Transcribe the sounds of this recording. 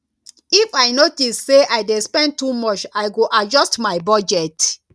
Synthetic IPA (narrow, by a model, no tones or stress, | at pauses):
ifaɪnotisseʔaɪdespɛ̃n̚tumɔt͡ʃaɪɡoʔad͡ʒɔstmaɪbɔd͡ʒɛt